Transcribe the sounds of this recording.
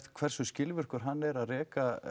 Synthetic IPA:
t̪kʰvɛr̥sʏscɪlvʏr̥kʏɾ̥ɦanːɛɾaðrɛːka

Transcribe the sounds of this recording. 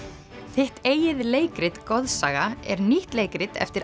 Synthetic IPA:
θɪht̪eːjɪðleːjkɾɪt̪kɔðsaːɣaɛ̰ɾniht̪leːjkɾɪt̪ɛ̰ft̪ɪɾ

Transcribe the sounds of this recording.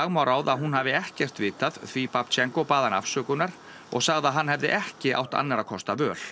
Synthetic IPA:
aɣmawɾaːwðaðɦunɦaːvɪɛhcɛr̥t̪vɪːt̪aðθvipapt͡ɕʰɛŋkɔpaːðana̰fsœːkʏnaɾ̥ | ɔ̰ɣsaɣðaɦanːhɛvðɪ̰ʔɛhcɪʔa̰wht̪a̰nːaɾakʰɔst̪avœːl̥

